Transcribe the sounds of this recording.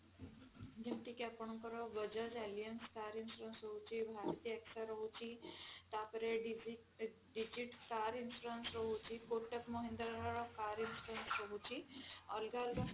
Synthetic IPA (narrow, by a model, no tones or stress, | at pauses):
d͡ʒemʈ̪ikapəɳũkəɾoʋəd͡ʒəd͡ʒɛlijənskaɾinsɾənsɾəɦũt͡ʃʰibʱaɾt̪iɛksaɾəɦũt͡ʃʰit̪apəɾeɖ | ɖid͡ʒiʈkaɾinsɾənsɾəɦũt͡ʃʰikoʈəkmoɦĩnd̪ɾaɾaɾokaɾinsʈənsɾəɦũt͡ʃʰiəlɡalɡa